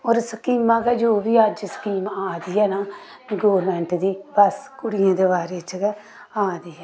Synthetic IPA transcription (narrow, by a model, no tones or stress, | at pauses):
oːɾskiːmãːɡɛːd͡ʒoːbiːəd͡ʒsə̥kiːmaːd̪ijɛːnaː | ɡoːʋəɾmɛ̃ːɳʈd̪iːbəskʊɽɪjãːd̪eːbaːɾeːt͡ʃɡɛ | aːd̪iɛː